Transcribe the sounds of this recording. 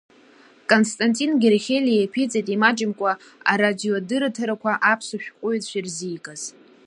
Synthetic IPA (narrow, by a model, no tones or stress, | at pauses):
kʼonstʼantʼinɡʲerχʲelʲijepʰit͡sʼitʼimat͡ʃʼɪmkʷʼa | a̰ɾadiodɨɾatʰɨɾakʷaʔapʰsuʃᶣqʷʼʊjtʰʃʷirziːkʼaz̥